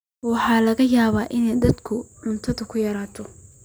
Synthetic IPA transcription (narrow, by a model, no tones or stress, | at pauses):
wɑħɑːlɐɣɐjaːβaːʔɪnɛjd̪ɐd̪kʰʊʕʊnt̪ʰɐðʊkʰʊjɐɾaːt̪ʰɔ